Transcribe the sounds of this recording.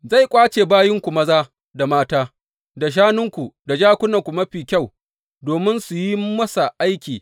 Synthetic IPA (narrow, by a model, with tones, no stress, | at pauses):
za˦˨jkʷʼaː˦t͡ʃeː˨baː˦jɪ˦ŋkʷu˨mɐ˦zaː˦ | da˨maː˦taː˦ | da˨ʃ̬aː˦nʊ˦ŋkʷu˨da˨d͡ʒaː˦kʷʊ˦nɐ˨ŋkʷu˨mɐ˦ɸiː˨kʲa˦˨w | doː˨mɪ˦nsu˨ji˦mɐ˦sa˨ʔa˦jkʲiː˨